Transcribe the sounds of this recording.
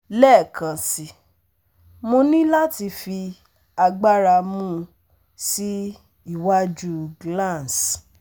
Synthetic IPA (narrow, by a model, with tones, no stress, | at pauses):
lɛ˦˨kã˨si˨ | mo˧nĩ˦la˦ti˧fi˧ | a˧ɡ͡ba˦ɾa˧mũ˦ | si˦ | i˦˨wa˦d͡ʒu˦ɡlã˦˨ns